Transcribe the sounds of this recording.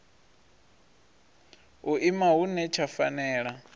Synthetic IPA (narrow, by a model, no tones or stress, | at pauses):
ɦuʔimaɦunɛt͡ʃʰafa̰nɛːɺa